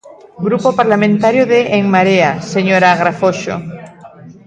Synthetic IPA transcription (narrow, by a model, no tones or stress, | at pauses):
ɡɾupopaɾlamẽnt̪aɾjoðeʔːŋmaɾeaseɲoɾaɣɾafoʃo̰